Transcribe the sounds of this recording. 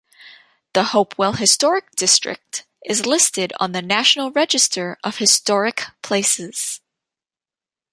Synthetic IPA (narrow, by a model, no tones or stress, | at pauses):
ðəhoʊpʰwɛlˠɦɨstɔɹɨk̚d̥ɪstɹ̥ɨ̰k̚t | ʔɨzlɪstɨɾn̩ðɨnæʃn̩l̩ˠɹɛd͡ʒɨstə˞ʔʌv̥hɨstɔɹɨkpʰl̥eɪsɪz̥